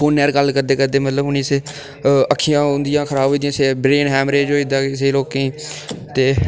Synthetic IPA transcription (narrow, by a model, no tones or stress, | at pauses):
oːnːɛːɾɡəlːkəɾd̪eːkəd̪eːmət̪ləbʊnĩːse | əkʰːijãːʊ̃nd̪ɪjãːkʰəɾaːboiːd̪ĩjãːseːbɾeːnɦɛːmɾeːd͡ʒoːiːd̪aːseːloːkẽiːt̪eː